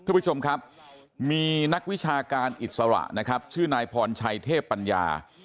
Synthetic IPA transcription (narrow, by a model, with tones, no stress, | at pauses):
t̪ʰaː˥˧mpʰːu˥t͡ɕʰo˧mkʰɾa˦˥p̚ | miː˧na˦˥k̚wi˦˥t͡ɕʰaː˧kaː˧nʔi˨˩t̪̚sa˧ɾa̰˨˩ʔna˦˥kʰa˦˥p̚t͡ɕʰɯː˥˩naː˧jpʰɔː˧nt͡ɕʰa˧jt̪ʰeː˥˩pːa˧nja̰ː˧